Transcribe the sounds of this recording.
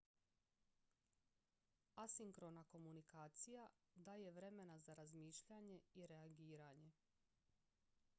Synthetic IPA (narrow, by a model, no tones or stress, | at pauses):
asiŋkɾonako̞munikaːt̪sijad̪aːje̞ʋɾe̞me̞nazaɾazmiːʃʎaɲe̞iɾeaɡiːɾaɲe̞